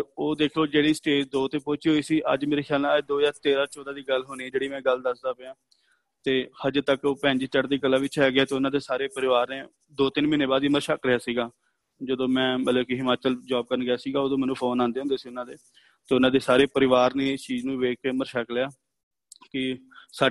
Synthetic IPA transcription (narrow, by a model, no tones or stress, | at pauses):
oːd̪eːkʰloːd͡ʒeːɽiːsʈeːd͡ʒd̪oːt̪eːpoːt͡ʃiːɦoːiːsiːʔə̰d͡ʒmeːɾeːkʰjaːlnãːd͡ʒd̪oːjaːɾt̪eːɾaːɾt͡ʃɔːd̪aːd̪iːɡəlɦoniːɛːd͡ʒeːɽiːmɛ̃ːɡəld̪əsd̪aːpeãː | t̪eːhəd͡ʒt̪əkoːpɛ̃ːɲd͡ʒiːt͡ʃəʈd̪iːkəlːaːʋɪt͡ʃajaːɡɪaːt̪eːʊnãːd̪eːsaːɾeːpəɾɪʋaːɾneː | d̪oːt̪ɪnmɪneːbaːd̪iməɾʃəkɾɪaːsiːɡaː | d͡ʒəd̪õːmɛ̃ːmət̪ləbkɪɦɪmaːt͡ʃəld͡ʒaːb̚kəɾənɡɪjaːsiːɡaːoːd̪õːmɛːnũːpʰoːnãːnd̪eːɦʊnd̪eːsiːʊnãːd̪eː | t̪eːʊnãːd̪eːsaːɾeːpəɾɪʋaːɾneːst͡ʃiːznũːʋeːkeːməɾʃəklejaː | kɪsaː